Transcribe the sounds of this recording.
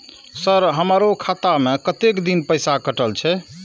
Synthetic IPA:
səɾɦəmɾokʰat̪amekət̪ekd̪inpəjsakəʈəlt͡ʃʰɛ

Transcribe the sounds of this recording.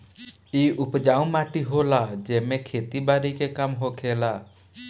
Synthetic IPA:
iːʔʊpd͡ʒaːũmaːʈiɦoːlaːd͡ʒɛːmẽkʰeːt̪ibaːɾiːkekəmɦoːkʰeːlaː

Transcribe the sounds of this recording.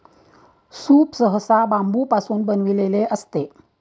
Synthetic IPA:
suːpsəɦəsabambupasunbənʋileleʔəst̪e

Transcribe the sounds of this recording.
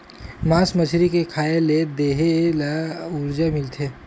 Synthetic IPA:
maːsmət͡ʃʰɾikekʰaːeled̪eːɦelaʊɾd͡ʒamɪlt̪ʰeː

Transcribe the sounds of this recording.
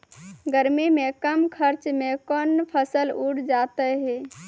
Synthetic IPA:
ɡəɾmimekəmkʰəɾt͡ʃmekɔnpʰəsəluɽʰd͡ʒat̪əɦɛ

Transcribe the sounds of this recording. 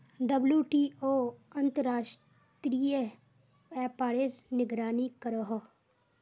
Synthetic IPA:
ɖəbljuːʈiːoːɐ̃nt̪əɾaːʃʈ | t̪ɾiːe | ɛːpaːɽeːɾnɪɡɾaːnikəɾəɦ

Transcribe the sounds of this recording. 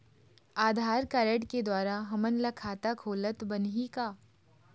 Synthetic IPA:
aːd̪ʱaːɾkaːɾəʈked̪waːɾaɦɐmənlɐkʰaːt̪akʰoːlət̪bɐnɦikaː

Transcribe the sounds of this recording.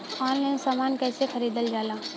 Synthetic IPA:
aːnlẽsaːmaːnkɛːsexɐɾiːd̪əld͡ʒaːlãː

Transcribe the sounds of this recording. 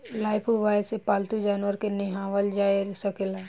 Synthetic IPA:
laːɪpʰuʋaːɪsepaːlt̪ud͡ʒaːnʋəɾkenɪɦaːʋəld͡ʒaːesəkela

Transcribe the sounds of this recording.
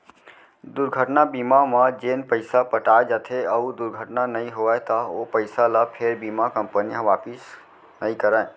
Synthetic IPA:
d̪uɾɡʱəʈnabimamə̃d͡ʒenpəɪsapəʈaed͡ʒat̪ʰeəud̪uɾɡʱəʈnanəĩɦoət̪əopəɪsaləpʰeɾbimakəmpənijãʋaːpis | nəikəɾə̃

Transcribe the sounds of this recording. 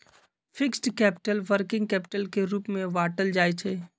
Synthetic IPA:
fʰɪksʈkɛːpɪ̥ʈəlʋəɾkɪ̃ŋɡ̚kɛːpɪ̥ʈəlkeɾuːpmẽʋaːʈəld͡ʒaːet͡ʃʰeː

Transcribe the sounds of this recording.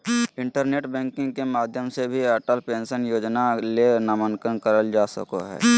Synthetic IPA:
ɪ̃ɳʈəɾneːʈbɛ̃ːŋkɪ̃ŋɡkemaːd̪ʱjəmsebʱiɛʈəlpẽːnsənjoːd͡ʒnalenamənkənkəɾəld͡ʒaːsə̰ko̰ɦɛ̰ː

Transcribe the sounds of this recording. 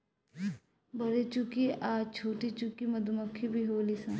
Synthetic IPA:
bɐɾet͡ʃukiʔaːt͡ʃʰoːʈit͡ʃukimɐd̪umɐkʰːibʱiɦoːlisã

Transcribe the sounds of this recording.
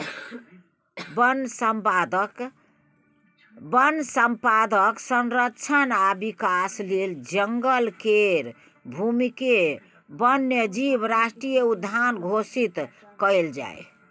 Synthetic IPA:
bnsmad̪k | bənsəmpad̪əksənɾəkt͡ʃʰənabikasleld͡ʒəŋɡəlkeɾ | bʱumike | bənːed͡ʒibɾasʈɾijeud̪ʱːanɡʱosit̪ | kəɪld͡ʒa̰j

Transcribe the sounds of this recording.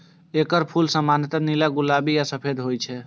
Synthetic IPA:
ekəɾpʰulsəmanjət̪ənilaɡulabijasəpʰed̪ɦojt͡ʃʰɛ

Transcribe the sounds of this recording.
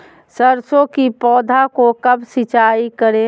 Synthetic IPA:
səɾsõkipɔːd̪ʱakokəbsɪt͡ʃaːikəɾe

